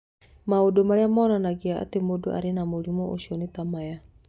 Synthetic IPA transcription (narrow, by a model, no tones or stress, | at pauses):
maodomaɾeamɔnanaɡiaa̰t̪emodoʔa̰ɾenamoɾimɔʔo̰ʃiɔnet̪amaja